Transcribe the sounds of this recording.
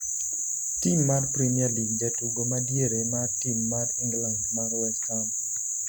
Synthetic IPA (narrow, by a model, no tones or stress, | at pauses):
timːarpɾimiarliɡ̚d͡ʒatuɡomadjeɾemartimːarɪŋɡlaŋmaɾwɛkan